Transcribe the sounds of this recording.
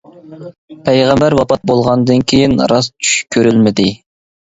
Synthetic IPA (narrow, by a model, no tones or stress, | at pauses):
pʰɛjʁæmbæɾwɑpɑt̪̚bolˠʁɑnd̪ɨnkʲʰejinɾɑst͡ʃʰy̥ʃkʲʰøɾylmɪd̪ɪ